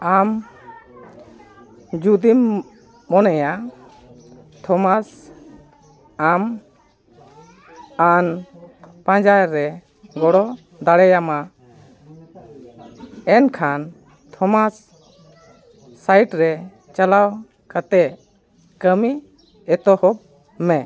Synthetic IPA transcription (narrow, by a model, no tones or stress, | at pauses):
am | d͡ʒud̪imː | ɔnɛja | t̪ʰɔmas | am | an | pãd͡ʒajɾɛ | ɡɔɽɔ | d̪aɽɛjama | ɛnkʰan | t̪ʰɔmas | ajiʈɾɛ | t͡ʃalaw | kat̪ɛ | kəmi | ɛt̪ɔhɔb̚ | mɛ